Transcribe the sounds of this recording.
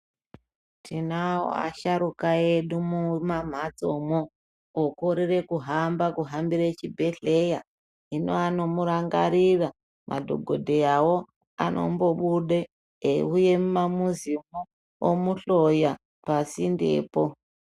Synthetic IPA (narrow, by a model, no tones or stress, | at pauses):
tʰinawo̰a̰ʃaɾukaeɗumumam̤at͡so̞moː | koɾire̞kuɦambakuɦambiɾet͡ʃibʱe̞ɬe̞ja | ino̞̰ano̞muɾaŋɡa̰ɾira | mʔa̰dʱo̞̰ɡʱo̞dʱejawo̞ | a̰nʔo̞̰mbo̞ɓuɗe | euje̞mumamuzimu | omuɬo̞ja | pasindḛːpo